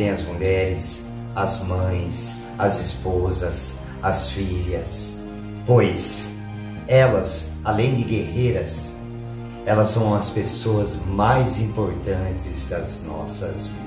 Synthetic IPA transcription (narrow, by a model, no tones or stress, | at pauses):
ẽj̃ɐzmuʎɛɾɪs | ɐzmɐ̃j̃s | ɐzɪspozɐs | ɐsfiʎɐs | pojs | ɛlɐs | alẽj̃d̪ɪɡehejɾɐs | ɛlɐsːɐ̃w̃ɐspesoɐzmajzĩmpoɾt̪ɐ̃nt̪ɪzd̪ɐznɔ̰sɐz